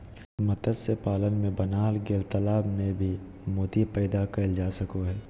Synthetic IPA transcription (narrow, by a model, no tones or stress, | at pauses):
mɐt̪əd̪sepaːlənmẽbɐnaːlɡelt̪ɐlaːbmẽbʱi | moːt̪ipɛːd̪akɐld͡ʒaːsɐkoɦɛː